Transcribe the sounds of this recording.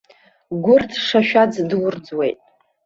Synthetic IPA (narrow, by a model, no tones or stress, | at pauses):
ɡʷʊrtʰʂaʃᶣad͡zdwʊrd͡zwe̞jtʼ